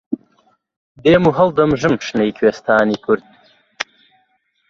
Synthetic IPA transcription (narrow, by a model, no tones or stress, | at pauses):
d̪eːmuɦɐld̪ɐmʒɨmʃnejkʰweːst̪ʰaːniːkʰʊɾd̪̚